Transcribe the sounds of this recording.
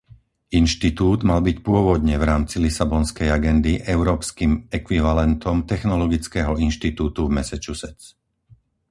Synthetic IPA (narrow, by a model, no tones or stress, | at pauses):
inʃt̪it̪uːd̪malbicpʊɔʋɔd̪ɲɛvɾaːmt͡silisabɔnskɛjaɡɛnd̪iʔɛʊɾɔːpskimɛkʋiʋalɛnt̪ɔmt̪ɛxnɔlɔɡit͡skɛːɦɔinʃt̪it̪uːt̪uvmɛsɛt͡ʃusɛt͡s